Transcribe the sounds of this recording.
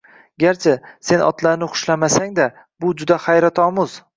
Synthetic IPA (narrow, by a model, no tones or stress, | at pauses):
ɡʲaɾt͡ʃʰɪse̞nɒ̰t̪laɾnɪχʊ̥ʃlamasaŋd̪a | bʊd͡ʒʊd̪aχajɾat̪ʰɒmʊz